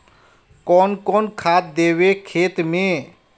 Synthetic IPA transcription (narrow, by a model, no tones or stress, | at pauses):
kɔːnkɔːnkʰaːt̪̚d̪eːwekʰeːt̪mẽ